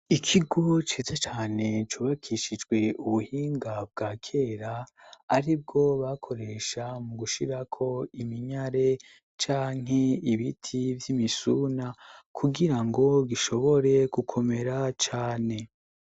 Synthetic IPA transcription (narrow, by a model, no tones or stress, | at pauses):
ikʰiɡo̞t͡ʃeːzat͡ʃaːne̞t͡ʃuːβakʰiʃid͡ʒɡwe̞uβuhiːŋɡabɡaːkʰe̞ːɾaːɾib̚ɡo̞βakʰoɾe̞ʃamuɡuʃiɾakʰo̞imiɲaɾe̞ | t͡ʃaːŋ̥ɦe̞iβitʰivjimisunakʰuɡiɾaŋɡo̞ɡiʃo̞βo̞ɾe̞ɡukʰo̞me̞ɾat͡ʃaːne̞